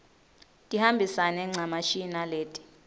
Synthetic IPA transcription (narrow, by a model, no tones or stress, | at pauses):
tʼihambʱisanɛŋ͡ǀʱamaʃinaleːtʼi̥